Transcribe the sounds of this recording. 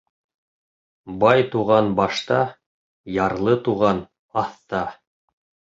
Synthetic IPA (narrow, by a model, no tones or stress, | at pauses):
bɑjt̪uʁɑnbɑʃt̪ɑ | jɑɾlˠɤt̪uʁɑn | ɑθt̪ɑ